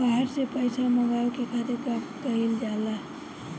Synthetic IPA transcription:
baɦaɾsepəjsʰaməɡawkekʰat̪eɾkamkəɦild͡ʒala

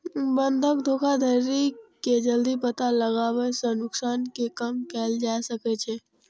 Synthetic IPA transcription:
bənd̪ʱəkd̪ʱokʰad̪ʱəɾiked͡ʒəld̪ipət̪aləɡaʋesənʊksankekəmkɛld͡ʒasəket͡ʃʰe

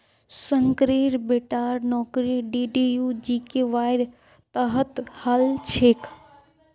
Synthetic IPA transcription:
səŋkɾeɾbeʈaɾnɔːkɾiɖiɖijud͡ʒikeʋaːjɾ | t̪əɦət̪həlt͡ʃʰek

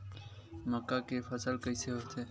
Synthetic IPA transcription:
məkːaːkefəsəlkəiseɦoːt̪ʰeː

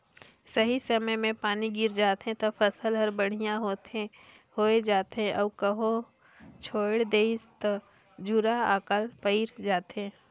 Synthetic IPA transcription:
sɐɦisɐməjmẽpaːniɡɪɾd͡ʒaːt̪ɦẽt̪ɐpʰɐsəlɦɐɾbəɽ̤ijãɦoːt̪ẽ | hoːed͡ʒaːt̪ɦɛ̃ʔɐːbkəɦo | t͡ʃʰoːɽd̪eːɪst̪ | d͡ʒuɾaaːkəlpəɪɾd͡ʒaːt̪ẽ

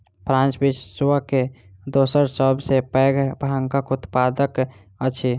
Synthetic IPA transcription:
pʰɾãnt͡ʃbisswəke | d̪osəɾsəbʱsepɛɡbʱaŋkəkut̪pad̪ək | ət͡ʃʰi

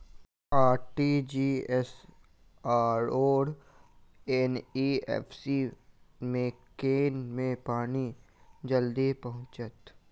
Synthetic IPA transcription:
aːɾʈid͡ʒiːɛs | aːɾoːɾ | ɛniɛ̰ːpsimẽkeːnmẽpaːni | d͡ʒəld̪ipɐɦʊ̃t͡ʃət̪

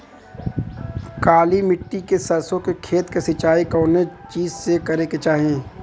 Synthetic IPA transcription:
kaːlimɪʈːikesɐɾsõkekʰeːt̪kesɪt͡ʃaːikɔːnet͡ʃiːzsekɐɾeket͡ʃaːɦẽː

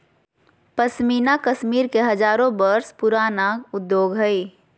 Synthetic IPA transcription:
pəsmiːnakəʃmiːɾkeɦɐd͡ʒaːɾõbəɾspʊɾaːnaʊd̪joːɡɦəi

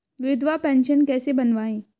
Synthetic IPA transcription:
ʋɪd̪ʋapɛ̃ːnʃənkɛːsebɐnʋaːẽː

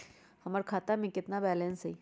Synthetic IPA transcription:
hɐməɾkʰaːt̪amẽkɪt̪nabɛːlẽːnsɛi

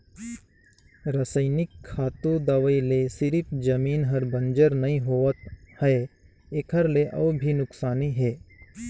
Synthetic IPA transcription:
ɾɐsəɪnɪkʰːaːt̪ũd̪aʋəilesɪɾɪpd͡ʒɐmiːnɦɐɾbɐ̃nd͡ʒəɾnɐɦĩɦoːət̪hɛː | ekʰəɾleʔɔːbʱinʊksaːniɦɛː

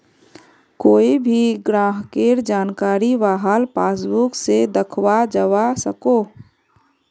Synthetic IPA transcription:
koːibʱiɡɾãːɦkeːɾd͡ʒaːnkaːɾiʋaːɦalpaːs̬bʊksed̪əkʰwad͡ʒəwasəkoː

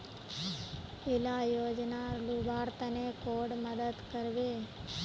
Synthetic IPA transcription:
elajoːd͡ʒnaɾlubʱaːɾt̪ənekoːɖməd̪əd̪kəɾʋeː

